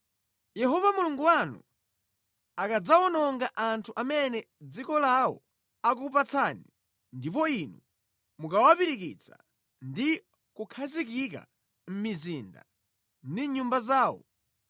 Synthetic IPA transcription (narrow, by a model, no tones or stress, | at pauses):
jɛɦɔvamuluŋɡuwanṵ | akad͡zawɔnɔŋɡaʔantʰuʔamɛnɛ | d͡zikɔlawɔ̰ | akupat͡sʰani | ndip̬ɔinu | mukawapiɾikit͡sʰḁ̰ | ndi | kukʰazikika̰ | m̩mizinda̰ | ndiɲumbazaːwɔ̰